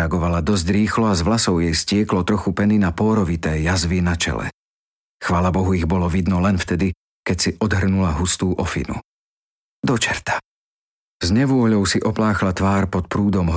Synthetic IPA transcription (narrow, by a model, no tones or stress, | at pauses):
aɡɔʋalad̪ɔzɟɾiːxlɔazʋlasɔʊjɛjscɪɛklɔt̪ɾɔxupɛninapɔːɾɔʋit̪ɛːjazʋinat͡ʃɛ̰lɛ̰ | xʋaːlabɔɦuiɣbɔlɔʋid̪nɔlɛnft̪ɛd̪i | kɛcsiʔɔd̪ɦr̩nulaɦust̪uːʔɔfḭnṵ | d̪ɔt͡ʃɛɾt̪ḁ | zɲɛʋʊɔɦlʎɔʊsiʔɔplaːxlat̪ʋaːɾpɔt̪̚pɾuːd̪ɔmɦ